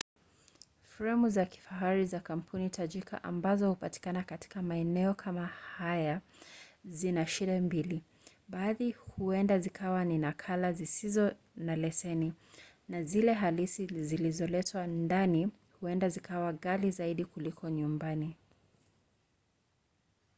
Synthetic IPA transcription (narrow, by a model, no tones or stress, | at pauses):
fɾɛmuzaki̥faɦaɾizakam̩pʰunitʰaʄikʰa̰ʔa̰mbazɔhupati̥kanakati̥kamaɛnɛɔkʰamahaja | zinaʃiɗɛmbili | ɓaːðihuɛndazikʰawaninakʰalazisizɔ | nalɛsɛni | nazilɛɦalisizilizɔlɛtʰwandani | huɛndazikʰawaɣalizaiɗikulikʰɔɲumbani